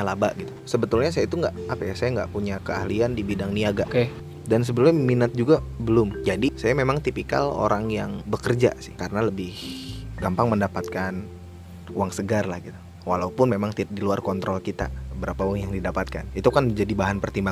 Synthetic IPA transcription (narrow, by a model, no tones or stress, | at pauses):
alabaʔɡit̪usəbət̪ʊlɲasajait̪uŋɡaʔapajahsajaŋɡa̰ʔpuɲakəahliandibidaŋniaɡaʔk | dans̬əbəlʊmːinat̪̚d͡ʒuɡabəlʊmd͡ʒadisajamemaŋt̪ipika̰lo̰ɾaŋjaŋbəkərd͡ʒa̰sɪ̥hkaɾənaləbɪhɡampaŋməndapat̪̚kan | uaŋsəɡarlahɡit̪u̥ | walaupʊnmemaŋidiluarkɔnt̪ɾɔlkit̪a̰bəɾapauwaŋjaŋdidapat̪̚ka̰nit̪ukand͡ʒadibaɦanpərt̪imba